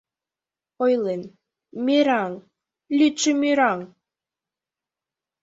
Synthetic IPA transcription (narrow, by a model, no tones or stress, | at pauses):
ojlen | meɾɑŋ | lʲyt͡ʃəmiɾɑŋ